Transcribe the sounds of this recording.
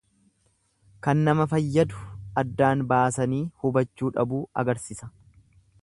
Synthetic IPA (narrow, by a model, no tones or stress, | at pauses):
kɐnːɐmɐfɐjːɐd̪ʊ̥ɐd̪ːaːnbaːsɐniːhʊbɐt͡ʃːuːᶑɐbuːɐ̰ɡɐɾsɪsɐ̥